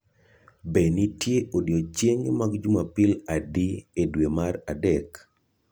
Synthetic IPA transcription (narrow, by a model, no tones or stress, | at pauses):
benitjeʔodjot͡ʃeɲmaɡd͡ʒumapɪladiedwemaɾadɛk